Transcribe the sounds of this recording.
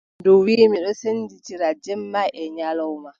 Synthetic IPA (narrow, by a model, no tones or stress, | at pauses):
dowiːmiɗɔsenditiɾad͡ʒɛmːaʔɛɲalɔwma